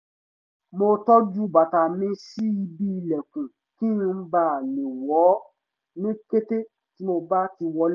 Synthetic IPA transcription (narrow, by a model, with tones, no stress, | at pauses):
mo˧tɔ˦d͡ʒu˦˨ba˨ta˨mĩ˧si˦i˧bi˦˧lɛ˨kũ˨ | kĩ˦ũ˧˦ba˦˨le˨wɔ˨˦ | nĩ˦ke˦te˦ | ti˨˦mo˧ba˦ti˧wɔ˧˦l